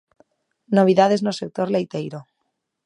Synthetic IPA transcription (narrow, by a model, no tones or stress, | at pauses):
noβ̞iðaðeznosek̚t̪oɾlejt̪ejɾo